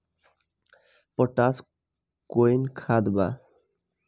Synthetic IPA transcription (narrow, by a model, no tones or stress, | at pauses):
pɔʈas | koenkʰad̪ba